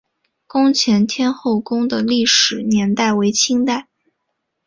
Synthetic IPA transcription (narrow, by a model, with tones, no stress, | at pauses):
kʊ˥ŋt͡ɕʰjɛ˧˥nt̪ʰjɛ˥nxo˥˩ʊkʊ˥ŋd̪ə˨li˥˩ʂɻ̩˨˩njɛ˧˥nt̪a˥˩ɪwe˧˥ɪt͡ɕʰi˥ŋt̪a˥˩ɪ